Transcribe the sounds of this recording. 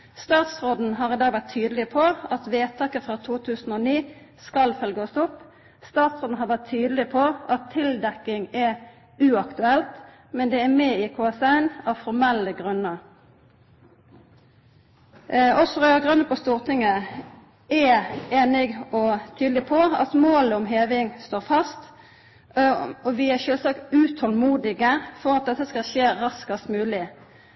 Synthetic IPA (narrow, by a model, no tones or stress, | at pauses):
st̪ɑːt̪sʁoːd̪n̩ɦɑːʁɪd̪ɑːɡʋæʁt̪ʰːyːd̪l̩ɪpʰɔɑt̪ʋeːt̪ʰɑːkəfʁɑːt̪ʰuːt̪ʰʉːsn̩oːniː | skɑlfœlɡəɔst̪ʊp | st̪ɑːt̪sʁoːd̪n̩ɦɑʁʋæʁt̪ʰyːd̪lɪpʰɔʔɑt̪ʰːɪld̪ɛkɪŋɛ | ʉːɑkt̪ʉɛlt̪ | mɛnd̪ɛːæmeːikʰoːɑsɑɪnɑʋfɔʁmɛlːəɡʁʉnːəʁ | ɔsɔʁœɑɡʁʉnəpʰɔst̪uːʁt̪ʰɪŋə | ɛeːnɪɡɔt̪ʰyːd̪lɪpʰɔɑ̰t̪moːləɔmɦeːʋɪŋst̪oːʁfɑst̪ | ɔʋɪæʃøːlsɑːkt̪ʉːt̪ʰɔlmuːd̪ɪɡəfɔʁɑt̪̚d̪ɛt̪ːəskɑlʃeːʁɑskɑst̪mʉːlɪ